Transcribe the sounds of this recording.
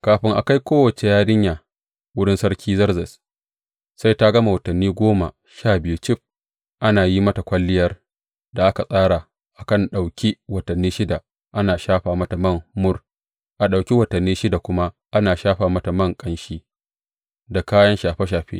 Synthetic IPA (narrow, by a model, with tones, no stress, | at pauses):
kaː˨ɸɪ˦ŋʔa˨ka˦jkʷoː˦wɐ˨t͡ʃe˨jaː˦dɪ˦ɲjaː˨ | wʊ˦ɽɪ˦nsɐ˦ɽkʲʰiː˦zɐ˦rzɛ˨s | sa˦jta˦ɡɐ˦ma˨wɐ˨tɐ˨nːiː˦ɡʷoː˦ma̰˨ | ʃaː˦˨bɪ˨ju˦t͡ʃɪ˦˨ɸ̚ | ʔa˦naː˨ji˦mɐ˦ta˨kʷɐ˦lːɪ˦jɐ˦r | da˨ʔa˦ka˨sʼaː˦ɽa˨ | ʔa˨kɐ˦˨nɗa˨wkʲi˦wɐ˨tɐ˨nːiː˦ʃɪ˦da˨ | ʔa˦naː˨ʃaː˦ɸaː˨mɐ˦ta˨mɐ˦˨mːʊ˦r | ʔa˨ɗa˨wkʲi˦wɐ˨tɐ˨nːiː˦ʃɪ˦da˨kʷʊ˦ma˦ | ʔa˦naː˨ʃaː˦ɸaː˨mɐ˦ta˨mɐ˦˨ŋkʼɐ˦nʃiː˦ | da˨kaː˦jɐ˦nʃaː˨ɸe˦ʃ̬aː˨ɸḛ˦